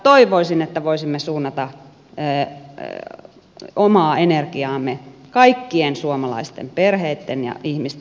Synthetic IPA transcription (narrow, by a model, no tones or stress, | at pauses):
t̪oiʋoisinet̪ːæʋoisimːesuːnːɑt̪ɑ | øː | omɑːenerkiɑːmːekɑikːiensuomɑlɑ̰ist̪ḛmperheit̪ːenjɑ̰ihmist̪